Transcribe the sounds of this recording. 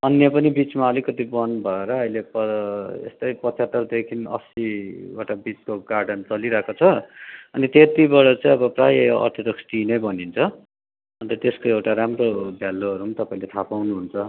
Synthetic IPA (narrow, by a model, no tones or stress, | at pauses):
ʌnjʌpʌnibit͡smaʌlikʌt̪ibʌnbʱʌeɾʌʌɦilepʌḛst̪ʌjpʌt͡sʰat̪ːʌrd̪ekʰinʌ̰siewʈabit͡skoɡarɖʌnt͡sʌliɾʌɦekot͡sʰʌʌnit̪et̪ibʌɽʌt͡sãĩʌbʌprajʌʌ̰rt̪ʰʌd̪ʌksʈinʌjbʌnint͡sʰʌ | ʌnt̪ʌt̪eskoewʈaɾamrobʱjalːoɦʌɾumt̪ʌpaĩlet̪ʰapawnuɦunt͡sʰʌ